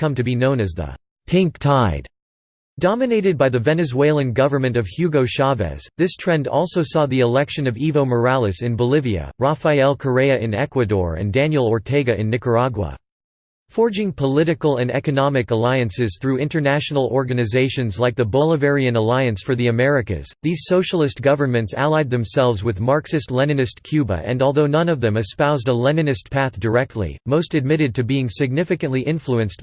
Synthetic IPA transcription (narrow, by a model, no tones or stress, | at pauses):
kʰʌ̃mtɨbinõʊ̃nɨzðə̰ | pʰɪ̃ŋk̚tʰaɪd̥ | d̥ɑmɨneɪɾɨd̚baɪðɨvɛnɨzweɪlˠɨ̃nɡʌvə˞mɨ̃ntʌv̥hjʉɡoʊʃɑvɛ̰z̥ðɪstʰɹ̥ɛ̃ndɔ̰lˠsoʊsɔðiɨlɛkʃɨ̃nʌvivoʊmə˞ælˠɨsɨ̃nbəlɪviɨ̰ɹafaɪɛlˠkʰə˞eɪɨʔɨ̃nɛkwɨdɔ̰ɹɨ̰̃ndæ̃njl̩ˠɔɹtʰeɪɡɨʔɨ̃nːɪkə˞ɑɡwə̰ | fɔɹd͡ʒɪ̃ŋpʰəlɪɾɨkl̩ˠɨ̃nɛ̰kɨnɑmɨkəlaɪɨ̃nsɨz̥θɹʉɪ̃ntə˞næʃn̩l̩ˠɔɹɡɨnɨzeɪʃɨ̃nzlaɪk̚ðəbɔlˠəvɛɹiɨ̃nəlaɪɨ̃nsfə˞ðiɨmɛɹɨkɨ̰z̥ðiz̥soʊʃl̩ˠɨst̚ɡ̥ʌvə˞mɨ̃ntsæ̰lˠaɪd̪̚ðɨ̃msɛlˠvzwɨðmɑɹksɨstˡlɛnɨ̃nɨstkʰj̥ʉbə̰ʔɨ̰̃nɔlˠðoʊnʌ̃nʌvðɨ̃mɨspaʊzdəlɛnɨ̃nɨspʰæθd̥ə˞ɛk̚tʰˡlḭmoʊstɨd̚mɪɾɨd̚tʰɨbiɪ̃ŋsɨɡ̚nɪfɨkɨ̃nʔliʔɪ̃nfluɨ̃nst̚